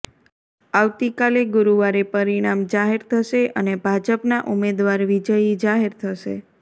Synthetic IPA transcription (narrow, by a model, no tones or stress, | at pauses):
aʋt̪ikaleɡuɾuʋaɾepəɾiɽ̃amd͡ʒaɦeɾt̪ʰəʃeʔənebʱad͡ʒəpnaʔumed̪ʋaɾʋid͡ʒəjid͡ʒaɦeɾt̪ʰəʃḛ